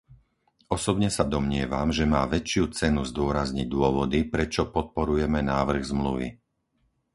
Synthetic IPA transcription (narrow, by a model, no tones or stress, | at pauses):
ɔsɔbɲɛsad̪ɔmɲɪɛʋa̰mʒɛmaːʋɛt͡ʃɪut͡sɛnuzd̪ʊɔɾazɲiɟd̪ʊɔʋɔd̪ipɾɛt͡ʃɔpɔt̪̚pɔɾujɛmɛnaːʋr̩ɣzmlṵʋḭ